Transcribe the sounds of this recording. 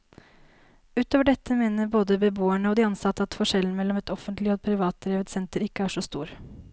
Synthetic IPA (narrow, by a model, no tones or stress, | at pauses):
ʉːt̪oːʋəɖɛt̪ːəmeːnəɾboːd̪əbəboːæɳəɔd̪ɪɑnsɑt̪ːəɑt̪fɔʂɛln̩mɛlːɔmɛt̪ɔfənt̪ʰlɪɔd̪̚pʰɾɪʋɑːt̪̚d̪ɾeːʋət̪sɛnt̪əɾɪkːəæːʂɔst̪uːɾ